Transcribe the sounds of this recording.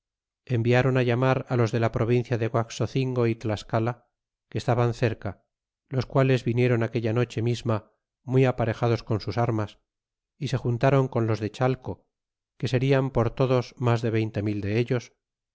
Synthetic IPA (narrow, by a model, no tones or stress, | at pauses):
e̞mbiaɾonaʎamaɾalo̞zðe̞lapɾo̞β̞inθjaðeɣwaksoθiŋɡo̞it̪laskala | keːst̪aβanθe̞ɾka | lo̞skwale̞zβinje̞ɾonake̞ʎano̞t͡ʃe̞mizma | mwiapaɾe̞xað̞o̞sko̞nsusaɾmas | ise̞xunt̪aɾo̞ŋko̞nlo̞zðe̞t͡ʃalko | ke̞se̞ɾiampo̞ɾt̪o̞ðo̞zmazðe̞β̞e̞jnt̪e̞mild̪e̞eʎo̞s